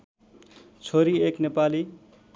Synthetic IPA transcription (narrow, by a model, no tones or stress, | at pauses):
t͡sʰoɾieknepali